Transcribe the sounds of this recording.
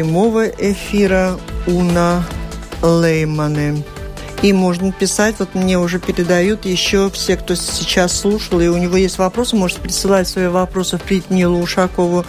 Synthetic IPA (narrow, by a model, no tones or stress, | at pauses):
ɪmo̞vəʔɪfʲiɾəunə | lˠejmənɨ | imo̞ʐnəpʲɪsatʲvo̞t̪mnʲe̞ʊʐɛpʲɪɾʲɪd̪ɐjut̪jɪɕːo̞fsʲe̞kt̪osʲɪt͡ɕasːlˠuʂəlˠɪʊnʲɪvo̞jesʲtʲvɐpɾo̞sɨmo̞ʐɨtʲɪ̥pɾʲɪsɨlˠatʲsvɐjivɐpɾo̞sɨfpɾʲɪt̪ʲnʲilˠʊʂɐko̞vʊ